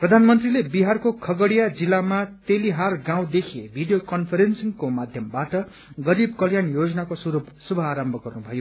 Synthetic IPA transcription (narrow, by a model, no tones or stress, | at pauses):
prʌd̪ʱanmʌnt̪rilebiɦarkokʰʌɡʌɽijad͡zilːamat̪eliɦarɡãw̃d̪ekʰebʱiɖijokʌnpʰʌɾensiŋkomad̪ʱjʌmbaʈʌ | ɡʌɾib̚kʌljanjod͡zʌnakosuɾub | subʱʌaɾʌmbʱʌkɡʌrnubʱʌjo